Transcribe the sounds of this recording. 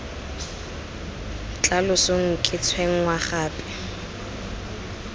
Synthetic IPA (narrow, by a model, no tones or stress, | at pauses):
t͡ɬʼalʊsʊŋ̩kʼɪt͡sʰweŋ̩waχaːpʼɪ̥